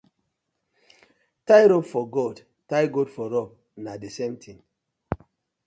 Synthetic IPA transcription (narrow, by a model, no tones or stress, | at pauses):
tajɾɔbfɔɡod | tajɡodfɔɾɔb̚ | nadesẽmtʰĩŋ